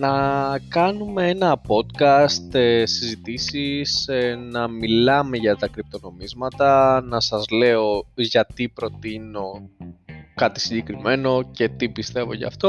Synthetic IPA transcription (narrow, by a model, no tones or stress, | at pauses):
nɐkɐnume̞enɐpo̞t̪kɐst̪sizit̪isisnɐmilɐme̞ʝɐt̪ɐkɾip̚t̪o̞no̞mizmɐt̪ɐnɐsɐzle̞o̞ʝɐt̪ipɾo̞t̪ino̞ | kɐt̪i̥siɲɟe̞kɾime̞no̞ce̞t̪ipist̪e̞vo̞̰ʝɐ̰ft̪o̞